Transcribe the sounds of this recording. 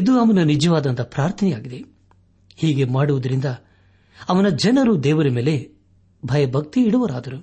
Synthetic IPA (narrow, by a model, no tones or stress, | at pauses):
id̪uɐʋɐnɐnid͡ʒɐʋaːd̪ɐnt̪ɐpɾaːɾt̪ʰɐnɛjaːɡid̪e̞ | hiːɡe̞maːɽuʋud̪ɐɾind̪ɐ | ɐʋɐnɐd͡ʒɐnɐɾud̪ɛːʋɐɾɐmeːle̞ | bʱɐjɐbʱɐk̚t̪iːɽuʋɐɾaːd̪ɐɾu